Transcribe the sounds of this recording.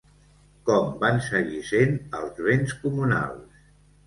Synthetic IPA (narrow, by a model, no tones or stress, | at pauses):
kɔmbansəɣisenə̰lˠzβenskumuna̰lˠs